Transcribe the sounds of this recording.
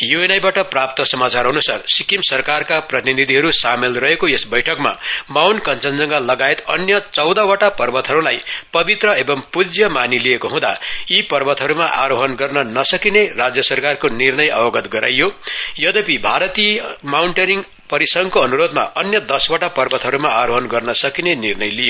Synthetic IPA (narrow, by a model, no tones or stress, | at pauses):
juenajbaʈʌprap̚t̪ʌsʌmat͡saɾɦʌnusarsikimsʌrkarkaprʌt̪ininid̪ʱiɦʌɾusamelrʌɦekoesbʌjʈʰʌkma̰mawnkʌnt͡sʌnd͡zʌŋɡʌlʌɡaet̪ʌnjʌt͡sʌwd̪awaʈapʌrbʌt̪ɦʌɾulajpʌbit̪rʌebʌmpud͡zjʌmaniliekoɦũd̪a̰ipʌrbʌt̪ɦʌɾumaʔaɾoɦʌnɡʌrnʌnʌsʌkinerad͡zjʌsʌrkarkonirnʌjʌ̰bʌɡʌt̪ɡʌɾa̰jjojʌd̪ʌpibʱaɾʌt̪iʌmawɳʈʌɾiŋɡ | pʌɾisʌŋkoʌnuɾod̪ma̰ʔʌnjʌd̪ʌswaʈapʌrbʌt̪ɦʌɾumaaɾoɦʌnɡʌrnʌsʌkinenirnʌjlijo